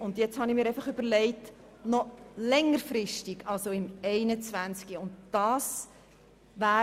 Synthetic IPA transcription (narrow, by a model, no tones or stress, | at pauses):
ʊndjɛt͡shɑnimiːɾɛɪfɑχʏb̥əɾlɛɪt | nɔlɛŋːəɾfɾɪʃtiɡɑlsoɪmɛɪnət͡svænt͡skiʊntd̥ɑːs | væː